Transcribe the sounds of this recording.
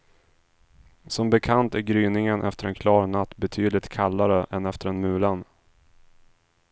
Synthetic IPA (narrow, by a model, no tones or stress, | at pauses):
sɔmbɛkʰant̪æɾɡɾyːnɪŋənʔɛ̰ft̪əɾɛnkʰlɑːɾnat̪ːbɛt̪ʰyːd̪lɪt̪kʰalːaɾəʔɛnɛft̪əɾɛnmʉ̟ːlan